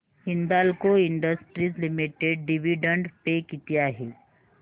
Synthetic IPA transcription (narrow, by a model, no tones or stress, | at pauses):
hɪ̃nd̪aːlkoɪɳɖəsʈɾizlɪmiʈeɖɖɪʋiɖə̃ɳɖpekit̪ijaɦɛː